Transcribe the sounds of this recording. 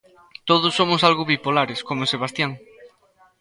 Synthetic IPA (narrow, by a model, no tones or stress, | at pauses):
t̪oðʊsːomʊsalɣʊβipolaɾeskomoseβ̞ast̪jaŋ